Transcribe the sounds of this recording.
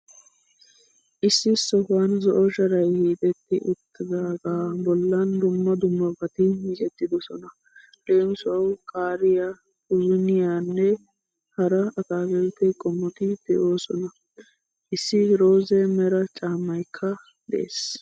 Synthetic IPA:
ʔɪsːɪsɔhanzɔʔɔʃɐɾɐjhiːt̪ʼɛt̪ːɪʔʊt̪ːɪd̪aːɡaːbɔlːɐnd̪ʊmːɐd̪ʊmːɐbɐt̪ɪmit͡ʃʼɛt̪ːɪd̪ɔsɔnɐ | ᶑeːmsʊɐwkʼaːɾɪja | ʊzʊnɪjaːnːɛ | hɐɾɐɐt̪aːɡɛlt̪ːɛkʼɔmːɔt̪ɪd̪̥ɛʔo̞ːsɔnɐ | ʔɪsːɪɾo̞ːzɛmɛɾɐt͡ʃʼaːmːɐjkʰːɐ | d̪ɛʔḛːs

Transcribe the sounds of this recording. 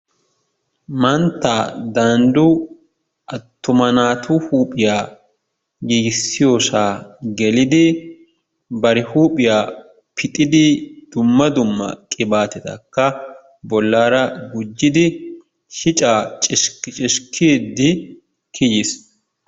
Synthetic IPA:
mɐnt̪ːaːd̪ɐnd̪ʊ | ʔɐt̪ːʊmɐnaːt̪ʰuːhuːpʼɪjaː | ɡiːɡɪsːɪjosaːɡɛlɪd̪ɪ | bɐɾɪhuːpʼɪjaː | pʰɪt̪ʼɪd̪ɪd̪̥ʊmːɐd̪ʊmːɐ̰kʼɪbaːt̪ɛt̪ɐkːɐ | bɔlːaːɾɐɡʊd͡ʒːɪd̪ɪ | ʃɪt͡ʃʼaːt͡ʃʼɪʃkːɪt͡ʃʼɪʃkʰeːd̪ːɪ | kʰɪjɪs

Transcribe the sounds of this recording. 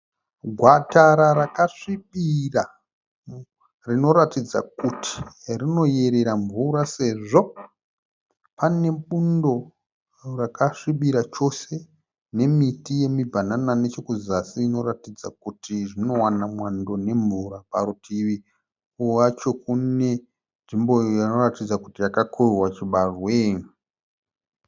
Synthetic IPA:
ɡʱwataɾaɾakaʂiɓira | rino̞ɾatid͡za̰kutʰi̥rino̞je̞ɾe̞ɾaɱvuɾase̞ʐo̞ | pane̞ɓundo̞ | rakaʂiɓiɾat͡ʃo̞se̞ | ne̞mitije̞mibʱananane̞t͡ʃo̞kuzasiːno̞ɾatid͡za̰k̚utʰiʐino̞wanamwando̞ne̞ɱvuɾapaɾutʰiʋi | uwat͡ʃo̞kune̞ | nʐimbo̞jano̞ratid͡zakutijakakʰorwat͡ʃiɓarwe

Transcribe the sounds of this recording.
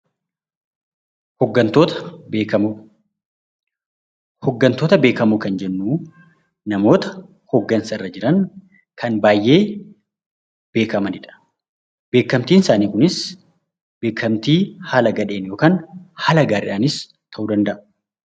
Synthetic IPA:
hɔɡːɐnt̪ot̪ː | hɔɡːɐnt̪o̞ːt̪ɐbe̞ːkɐmuːkɐnd͡ʒɛnːuː | nɐmo̞ːt̪ɐ̥ | hɔɡːɐnsɐɪrːɐd͡ʒɪɾɐn | kʰɐnbaːjʔe̞ː | b̥e̞ːkɐmɐnɪᶑɐ̥ | b̥e̞ːkːɐmt̪iːnɪsaːniːkʊnɪs | b̥eːkʰːɐmt̪iːhaːlɐɡɐᶑe̞ːnjo̞ːkaːnhaːlɐɡaːɾɪᶑaːnɪs | t̪ʰɐʔuːd̪ɐnd̪ɐʔɐ̥

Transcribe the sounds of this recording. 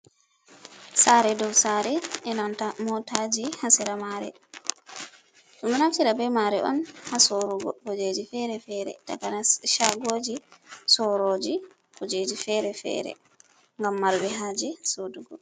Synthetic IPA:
saɾɛdɔwsaːɾɛɛnantamɔtad͡ʒihasiɾamaɾɛ̰ | tumdɛnaftiɾabɛmaɾɛʔɔ̰nhasoɾuɡɔ̰hod͡ʒed͡ʒifɛɾɛfɛɾɛ̰ta̰kanaʃaɡod͡ʒisɔɾoːd͡ʒi | hod͡ʒed͡ʒifɛɾɛfɛ̰ɾɛ̰ | ŋɡamːaɾbɛɦad͡ʒɛsoduɡɔ

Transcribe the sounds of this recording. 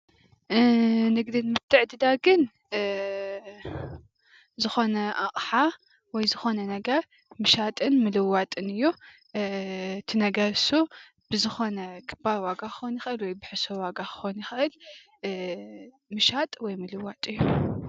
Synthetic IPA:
nɨɡd̪inmɨt̪ʰːɨʕd̪ɨd̪aɡɨn | zɨxo̞nɐʔaχʼħa | wɔjzɨxo̞nɐnɐɡɐɾ | mɨʃat̪ʼɨnmɨlɨwːat̪ʼɨnɨjːu | t̪ʰinɐɡɐɾsu | b̥ɨzɨxo̞nɐkʰʼɨbawaɡaxɨ̥xonjɪxʔɨlwɔjbɨħɨsowaɡaxɨ̥xonjɪxʔɨl | mɨʃat̪ʼwɔjmɨlɨwat̪ʼɨjːu

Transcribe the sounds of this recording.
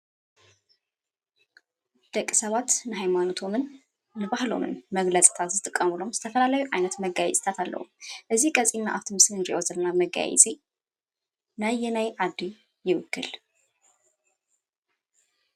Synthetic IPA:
d̪̥əkʼːsəβat̪nɨɦajmanot̪ʰo̞mɨnː | ɨbahlo̞̰mɨ̰nməɡləsʼt̪ʰat̪zɨt̪ʼɨkʼːəmɨlo̞mzɨt̪ʰəfəlalajuʔajnət̪məɡajɛ̰sʼɨt̪ʰat̪ʰalːʔə̰hṵmʔɨzːikʼəsʼinːa̰ʔaft̪ʰɨmɨsnɨnd͡ʒiwɔzəlnaməɡa̰jɛ̰zʼi | najːɛnajʕad̪ːi | jɪwʊkʰːɨ̰l

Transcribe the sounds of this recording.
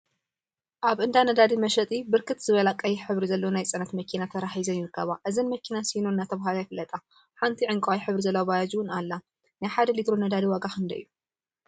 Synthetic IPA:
ʔaβɨnd̪anɐd̪ad̪imɐʃɐt̪ʼibɨɾkʰɨt̪z̥ɨβɐlakʼɐjiħɨβɾizɐlːonajt͡sʼɐnɐt̪mɐkʰinat̪ʰɐɾaħizɐnjɪɾɨkʰːɐβaʔɨzɐnmɐkʰinasinuɨnːat̪ʰɐβɦalajfɨlɐt̪ʼa | ħant̪ʰiʕɨŋkʼawajħɨβɾizɐlːɐwabajad͡ʒuwʊnalːa | najħad̪ɐlit̪ɾonɐd̪ad̪iwaɡaxɨnd̪ɐijːu

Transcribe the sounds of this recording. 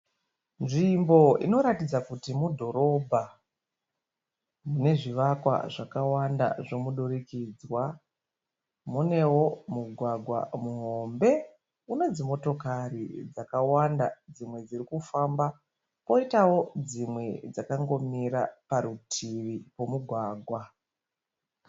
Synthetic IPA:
nʐimbo̞ḭno̞ɾatid͡zakutimudʱo̞ɾo̞bʱa | mune̞ʐiʋakwa̰ʐakawanda̰ʐo̞muɗurikid͡zwa | mune̞wo̞muɡʱwaɡʱwa̰muɦo̞mbe̞ | uno̞d͡zimo̞to̞karḭd͡zakawandad͡zimwe̞d͡zirikufamba | po̞itawo̞d͡zimwe̞d͡zakaŋɡo̞miɾa̰paɾutʰiʋipo̞muɡʱwaːɡʱwa

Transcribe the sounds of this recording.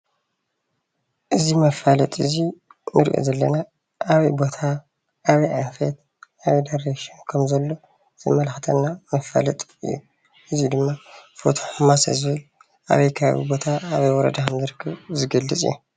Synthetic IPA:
ʔɨzimɐfalɐt̪ʼɨzinɨɾḭʔo̰zɐlːɐna | ʔaβɐjbo̞t̪ʰa | ʔːβijʔanfet̪ | ʔaβijd̪aɾeʃinkʰɐmzɐlːo̞ | z̥ɨ̰mɐlxɨt̪ʰɐnːamɐfa̰lɐt̪ʼɨ̰jːṵ | ʔɨzid̪ɨmːafot̪ʰoħɨmasɐ̰zɨβɨl | ʔa̰βɐjkʰaa̰βḭbo̞t̪ʰaaβɐjwɔɾɐ̰d̪axɐmzɐɾkʰɨβzɨɡɐlːɨt͡sʼḭjːu

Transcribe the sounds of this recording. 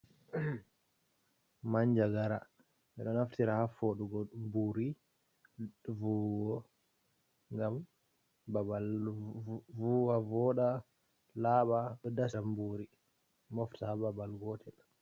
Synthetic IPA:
maɲd͡ʒaɡaɾa | ʔɛɗɔnaftiɾahafoɗuɡɔɗumbuɾi | vuwɔ | ŋɡam | babal | vuwavɔɗa | laːɓaɗɔdasambuɾi | mɔftahababalɡɔtʰɛl

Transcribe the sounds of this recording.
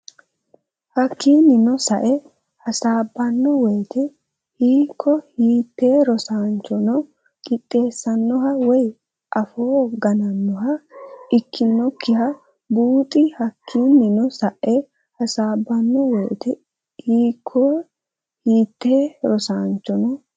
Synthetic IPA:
hɐkʰːiːnːɪnɔsɐʔɛ | hɐsaːbːɐnːɔwɛjt̪ɛ | hiːkʰːɔhiːt̪ːeːɾɔsaːnt͡ʃːɔnɔ | kʼɪt̪ʼːe̞ːsːɐnːɔɦɐwɔj | ʔɐfoːɡɐnɐnːɔɦɐɪkʰːɪnːɔkʰːɪhɐ | buːt̪ʼɪhɐkʰːiːnːɪnɔsɐʔɛ | hɐsaːbːɐnːɔwɛːt̪ɛ | hiːkʰːɔ | hiːt̪ːeːɾɔsaːnt͡ʃːɔnɔ

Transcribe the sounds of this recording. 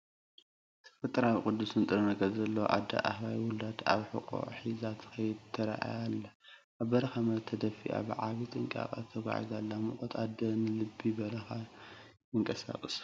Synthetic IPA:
t̪ʰɐ̥fɐt̪ʼɐɾawikʼud̪ːusɨnt̪ʼɨɾɐnɐɡɐzɐlːɐ̰ʔa̰d̪ɐ̰ʔa̰hβajwʊlad̪a̰βħuqʼo̰ʕħizat̪ʰxɐjɪd̪t̪ʰːɐɾa̰ʔa̰jalːa | ʔaβbɐɾɐxamɐt̪ʰːɐd̪ɐfḭʔa̰bɨʕaβit̪ʼɨŋkʼa̰kʼɐ̰t̪ʰɐɡʷa̰ʕḭzalːamɨχʼot̪ʼad̪ɐnɨlɨbːibɐɾɐxajɨŋkʼɐsa̰χʼɨs

